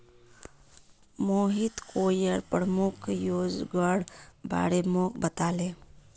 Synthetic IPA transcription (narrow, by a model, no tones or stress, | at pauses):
moːɦit̪koːjəɾpɾəmʊkʰjoːd͡ʒɡəɽba̰ːɽemoːkbət̪aːleː